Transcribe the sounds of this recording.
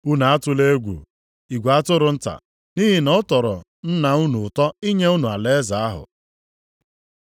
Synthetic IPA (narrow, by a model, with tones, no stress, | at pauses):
u˦na˨a˦tʊ˦le˦ɡʷṵ˨ | i˨ɡʷa˦tʊ˦ɾʊ˨n̩˦ta̰˨ | ni˦ɦi˨nɔ˦tɔ˨ɾɔ̰˨ | n̩˦na˨u˦nu˨tɔ˦i˦ɲe˦u˦nu˨a˨le˦za˨a˦ɦʊ̰˨